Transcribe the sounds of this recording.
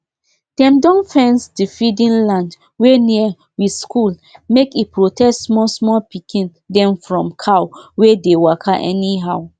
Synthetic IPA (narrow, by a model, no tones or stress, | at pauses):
dɛ̃mdɔ̃nfɛ̃nsdifidĩnlãnd | weniə | wiskulmekipɹotɛstmɔsmɔpikʰĩn | dɛ̃mfɹɔ̃mkʰawwedewakʰaʔɛniɦaʊ